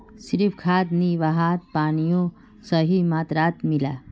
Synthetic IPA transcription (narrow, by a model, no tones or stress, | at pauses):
siɾifkʰaːd̪niʋaɦaːt̪̚paːnijõ | səɦimaːt̪ɾaːt̪mila̰ː